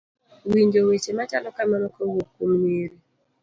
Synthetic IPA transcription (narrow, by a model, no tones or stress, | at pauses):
wiɲd͡ʒowet͡ʃemat͡ʃalɔkamɛɾɔkowukːumneɾi